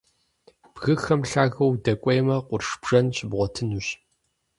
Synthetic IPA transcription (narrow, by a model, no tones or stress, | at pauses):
b̥ɣɨxɐmɬaːɣɐwdɐkʷʼejmɐqʷʊrʂb̥ʐ̥ɐnɕʼɪbʁʷɔtʰɨnuɕ